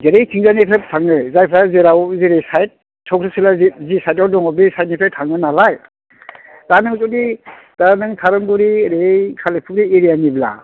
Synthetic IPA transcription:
zeɾejtʰiŋzanepʰep̚tʰaŋɯzajpʰɾazeɾawziɾejsajt̚ | tʰːɔk̚ɾʰɯsilazzisajt̬̚awdɔŋɔbisajt̚nipʰetʰaŋɯnalaj | danɯŋzɔdi | d̥anɯŋtʰaɾɯŋɡuɾiɾekʰalepʰuɾieɾijanibla̰

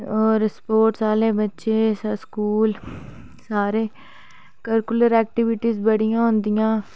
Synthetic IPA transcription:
ɔːɾspoːɾʈsaːleːbətːʃeːsskuːl | saːɾeː | kəɾkʊləɾɛːk̚ʈɪʋɪʈiːzbəɽijãːɦʊ̃nd̪ijãː

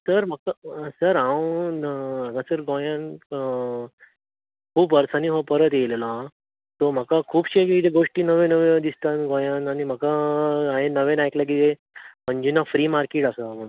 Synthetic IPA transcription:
səɾm̤əkasəɾãw | aɡasəɾɡõjãn | kʰuːpʋəɾsaniɦopəɾət̪jelela | t̪om̤əkakʰuːbɕekiit̪eɡoʂʈiːnəʋẽnəʋed̪ist̪anɡõjananim̤əkaaɦenəʋenajklak̬it̪e | məɲd͡ʑinafɾiːmaɾkiʈasəm̤əɽũ

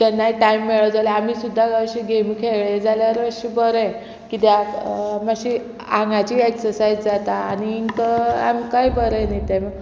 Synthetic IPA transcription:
t̪ɛnːaiʈaimːeɭəd͡zalaam̤iːsud̪ʱːaɡəɕiɡemkʰeɭed͡zaljaɾəɕibəɾɛ̃ | kit̪eamaɕi | aŋɡat͡ɕiːeksəɾsajd͡zd͡zat̪aːniːŋkəa̰mkaibəɾə̃najt̪am

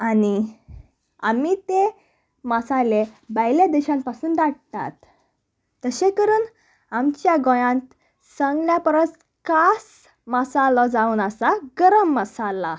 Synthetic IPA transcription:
ani | a̰mit̪e | məsalebəjled̪eɕãn̚pasuːnd̪aɽt̪a̰t̪ː | əɕẽkəɾuːn | amt͡ɕjaɡɔ̃jãnt̪ | sə̃ŋɡljapəɾəs | kas | məsalɔd͡zauːnəsaɡəɾəmːəsala

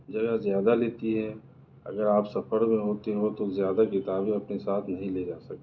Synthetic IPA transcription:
d͡ʒɐɡəzjaːd̪aleːt̪iɦɛ̃ | ɐ̰ɡəɾaːpsɐfəɾmẽɦoːt̪eɦot̪ozjaːd̪akɪt̪aːbĩɐpnesaːt̪ʰnɐɦĩleːd͡ʒaːsɐk̚t̪e

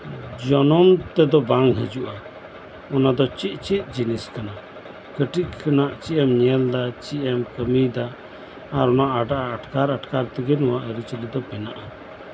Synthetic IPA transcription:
d͡ʒɔnɔmt̪ɛd̪ɔbaŋɦəd͡ʒuʔa | ɔnad̪ɔt͡ʃiʔ̚ˀt͡ʃit̪̚d͡ʒiniskana | kəʈiʔkʰənaʔt͡ʃiʔɛmɲɛld̪at͡ʃiʔɛmkəmid̪aː | ɾɔnaʔaɖaʔaːʈkaɾaʈkaɾt̪ɛɡɛnɔwaʔəɾit͡ʃəlid̪ɔpɛnaʔa

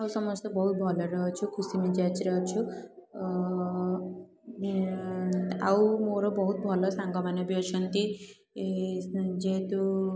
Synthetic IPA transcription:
awsʌmʌst̪ɔbʌɦut̪̚bʱʌlʌɾʌɦt͡ʃʰukʰusimad͡ʒat͡siɾʌɦt͡ʃʰu | awmoɾobʌɦut̪̚bʱʌlʌsaŋɡʌmanʌbjot͡ʃʰunt̪i | d͡ʒet̪u

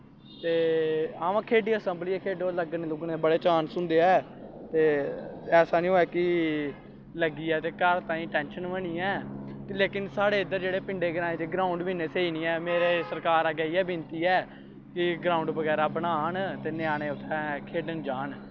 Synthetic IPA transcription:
t̪eːaːʋãːkʰeːɖiːəsəmbliːɛːkʰeːɖoːləɡənlʊɡnebəɽeːt͡ʃaːnsʊnd̪eːɛː | t̪eːɛːsaːnĩːoːɛːkɪ | ləɡiːɛːt̪eːkəɾt̪ãːĩːʈɛ̃ːnʃənʋəniːɛːleːkɪnsaːɽeːɪd̪ːəɾd͡ʒeːɽeːpɪɳɖeːɡəɾaːeːt̪eːɡɾãːʊ̃ɳɖbiːneːseːiːnĩːɛːmeːɾeːsəɾkaːɾaːɡɛiːɛːbɪnt̪iːɛː | kɪɡɾãːʊ̃ɳɖbəɡɛːɾaːbənaːnt̪eːnɪaːɽ̃eːʊt̪ʰːɛ̃ːkʰeːɖənd͡ʒaːɳ

